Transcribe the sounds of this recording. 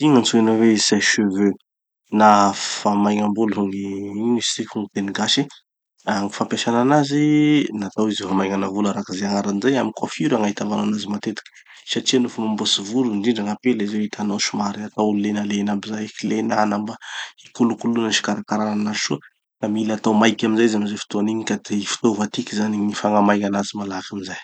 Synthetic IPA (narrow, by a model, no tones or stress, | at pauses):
iŋant͡suenavezajʃəvø | nafamajŋambuluɦuŋiiɲist̪ikuŋit̪eniɡaʃi | aŋifampʲaʃananazinat̪awizifamajŋanavulaɾakizeaŋaɾanizajamikafiɾaŋait̪avananazimat̪et̪i̥kə̥ | saʈ͡ʂianufumambosivuɾundiɳɖ͡ʐaŋapelizewit̪ʰanowʃumaɾiat̪aululenalenabizajkilenanambaikulukulunəʃi̥kaɾakaɾananaziʃu | kamilat̪awmajkʲaminzajzamizafi̥t̪oaniɲikad̪eifi̥t̪ovat̪ikʲizaniɲifaŋamajŋanazimalaɦakamizaj